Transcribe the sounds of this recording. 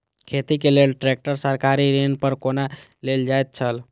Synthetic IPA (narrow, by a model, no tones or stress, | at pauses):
kʰet̪ikelelʈɾek̚ʈəɾsəɾkaɾiɾenpəɾkonaleld͡ʒaet̪̚t͡ʃʰəl